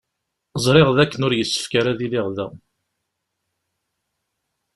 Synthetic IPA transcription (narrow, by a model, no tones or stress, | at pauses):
zˤɾˤeʁðækːənʊɾjəsːə̥fkaɾæðilɪʁðæ̰